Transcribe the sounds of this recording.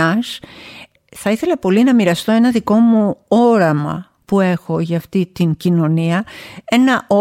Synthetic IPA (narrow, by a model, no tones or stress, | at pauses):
ɐs | θɐiθe̞lɐpo̞linɐmiɾɐst̪o̞e̞nɐðiko̞muo̞ɾɐmɐ̰ | pue̞xo̞ʝɐːft̪it̪iŋcino̞niɐe̞nɐʔo